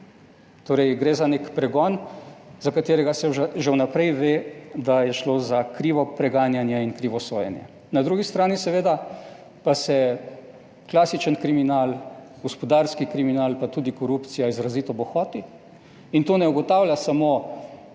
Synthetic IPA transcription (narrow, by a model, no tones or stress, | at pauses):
t̪oːɾɛjɡɾeːzaneːkpɾɛɡɔnzakat̪eːɾɛɡasɛʒawnapɾɛjʋeːd̪ajɛʃloːzakɾiːʋɔpɾɛɡaːnjanjɛinkɾiːʋɔsoːjɛ̰njɛ̰ | nad̪ɾuːɡist̪ɾaːnisɛʋeːd̪a | pasɛ | klaːsit͡ʃənkɾiminaːl | ɡɔspɔd̪aːɾskikɾiminaːlpat̪uːd̪ikɔɾupt̪sijaizɾaziːt̪ɔbɔxɔːt̪i | int̪oːnɛuɡɔt̪aːwljasamoː